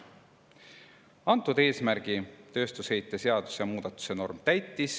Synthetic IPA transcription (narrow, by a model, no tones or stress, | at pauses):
ɑnt̪ːˑud̪e̞ːsmæɾɡ̥it̪ø̞ːst̪ushe̞jt̪ːˑe̞se̞ɑd̪̥u̥sjɑmuːd̪̥ɑt̪ːˑu̥se̞no̞rmt̪æjt̪ːˑis